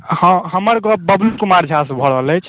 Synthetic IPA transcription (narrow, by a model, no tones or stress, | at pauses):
hə̃ɦəməɾɡɔbəblukumaɾd͡ʒʱasbʱɔɽəɦləjt͡ʃʰ